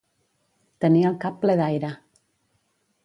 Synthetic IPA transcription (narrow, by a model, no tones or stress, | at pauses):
t̪ənialkapːleðajɾa